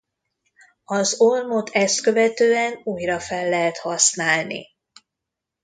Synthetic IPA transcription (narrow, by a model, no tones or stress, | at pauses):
ɒzolmo̞t̪ʰɛst̪kø̞vɛt̪øːɛnuːjrɒfɛlːɛɦɛt̪hɒsnaːlnḭ